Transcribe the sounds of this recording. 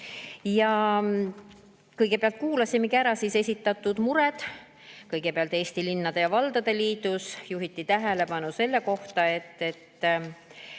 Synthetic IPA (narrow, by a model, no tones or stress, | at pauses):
jɑ | kɤjɡe̞peɑlt̪̚kuːlɑsimekiæɾɑsise̞sʲit̪ːˑɑt̪ːˑud̪̥muɾed̪̥ | kɤjɡ̥e̞peɑlt̪e̞ːsʲt̪ilinːɑd̪e̞jɑvɑld̪̥ɑd̪̥e̞liːd̪usjuɦit̪ːˑit̪æɦele̞pɑnuse̞lːe̞ko̞ht̪ɑe̞t̪ːe̞t̪ː